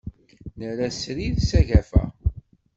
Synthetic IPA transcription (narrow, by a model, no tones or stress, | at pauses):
nəɾæsɾiðsæʝæfæ̰